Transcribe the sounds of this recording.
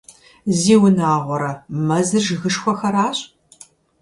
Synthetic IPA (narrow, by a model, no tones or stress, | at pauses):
ziːwʊnaːʁʷɔɾɐmɐzɨrʒɨɣɨʂxʷɔxɐɾaːɕʼ